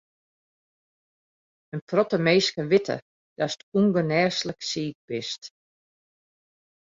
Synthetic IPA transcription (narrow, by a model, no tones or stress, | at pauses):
ənprɔtəmeːskəʋɪtʰə̰ | d̥astuŋɡənɛːsləksiːk̚bɪst